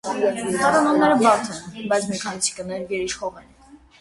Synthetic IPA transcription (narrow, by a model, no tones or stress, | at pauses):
t̪ʰɑɾɑnɔmnɛɾəbɑt̪ʰɛnbɑjt͡sʰmɛkʰɑnit͡sʰi̥kənɛvɡɛɾiʃχɔʁɛn